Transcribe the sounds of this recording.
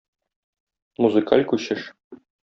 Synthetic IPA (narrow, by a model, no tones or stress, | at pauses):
muzɨkalʲkʉɕɘʃ